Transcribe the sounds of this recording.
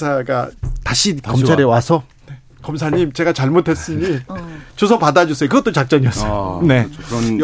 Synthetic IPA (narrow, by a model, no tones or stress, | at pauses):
sʰaɡa̰taɕʰikʌmt͡ɕʰaɾe̞wasʰʌ | n | kʌmsʰaɲimt͡ɕe̞ɡat͡ɕaɭmotʰe̞s͈ɯɲit͡ɕosʰʌpadad͡ʑus͈ʌjokɯɡʌt͈ot͡ɕak̚t͡ɕ͈ʌɲiʌs͈jone̞